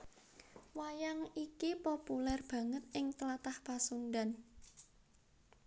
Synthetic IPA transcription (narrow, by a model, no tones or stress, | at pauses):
wajaŋikipopulɛrb̥ä̤ŋət̪̚ʔɪŋt̪əlat̪ahpasunɖan